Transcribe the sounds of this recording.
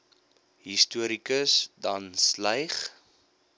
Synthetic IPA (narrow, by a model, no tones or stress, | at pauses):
ɦistuəɾikəsdɐnslɐjχ